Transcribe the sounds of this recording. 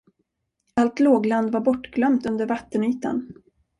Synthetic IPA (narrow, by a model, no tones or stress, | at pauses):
alt̪loːɡland̪vaɾbɔʈːɡlœmt̪ɵnd̪əɾvat̪ːənyːt̪a̰n